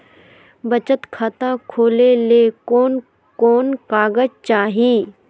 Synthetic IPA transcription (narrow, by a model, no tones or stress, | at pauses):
bət͡ʃət̪kʰaːt̪ãkʰoːlelekoːn | koːnkaːɡəd͡ʒt͡ʃaːɦiː